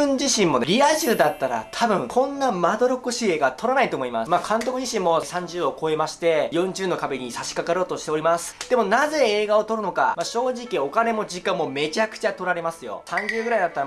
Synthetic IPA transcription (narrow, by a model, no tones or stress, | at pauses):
ɯ̟̃ɲd͡ʑiɕĩmmːo̞eɾʲiaʑiɯ̟d̪at̪ːaɾa̰t̪ʰabɯ̟̃ŋkʰõ̞nːamad̪o̞ɾo̞koɕiːe̞ːɡat̪ʰo̞ɾanait̪o̞moimasmakʰãnt̪o̞kɯ̟ʑiɕĩmːo̞sãɲ̟d͡ʑɨːo̞ko̞e̞maɕi̥t̪e̞jõ̞ɲ̟t͡ɕɨːno̞kabe̞ɲ̟isaɕi̥kakaɾo̞ːt̪oɕi̥t̪eo̞ɾʲimasɨ̥d̪̥e̞mo̞naze̞eːɡaot̪o̞ɾɯ̟no̞ka̰maɕo̞ːʑikʲio̞kane̞mo̞d͡ʑikãmːo̞me̞t͡ɕakɯ̟̥t͡ɕat̪oɾaɾe̞masɨjo̞̰sãɲ̟d͡ʑɨːɡɯɾaid̪at̪ːaɾ